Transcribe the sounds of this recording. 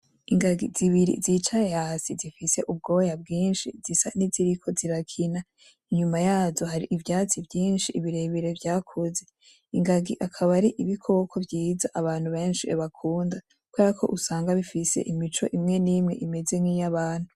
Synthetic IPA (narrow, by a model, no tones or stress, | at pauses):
iŋɡaɡiziβiɾḭzit͡ʃajehasizifise̞ʔub̚ɡo̞ːjabɡiːnʃḭzisaniziɾikʰo̞ziɾakʰina | iɲumajaːzo̞haɾiʔivjaːt͡sivjiːnʃiiβiɾe̞βiɾevjaːkʰuze̞ | iŋɡaɡiʔakʰaβaɾiʔiβikʰookʰo̞vjiːzaʔaβaːn̥huβe̞ːnʃieβakʰuːnda | kweːɾakʰo̞̰ʔusaːŋɡaβifise̞̰ʔimit͡ʃo̞̰ʔimŋe̞nimŋe̞̰ʔime̞ze̞ŋŋijaβaːn̥hu